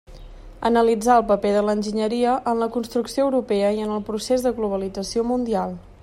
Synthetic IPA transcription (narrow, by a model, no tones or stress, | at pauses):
ə̰nəlid͡zaəlˠpəpeðələnʲʒiɲəɾiəʔənləkunst̪ɾuksioəwɾupeəiənəlˠpɾusezðəɣluβ̞əlid͡zəsiomund̪ialˠ